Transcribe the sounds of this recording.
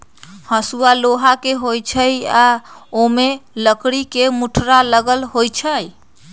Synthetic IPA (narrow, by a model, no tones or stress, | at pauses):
həsualoɦakeɦojt͡ʃʰəjaomeləkɽikemuʈʰɾaləɡəlɦojt͡ʃʰəj